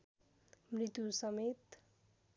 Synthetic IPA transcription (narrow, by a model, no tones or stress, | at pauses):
mrit̪jusʌmet̪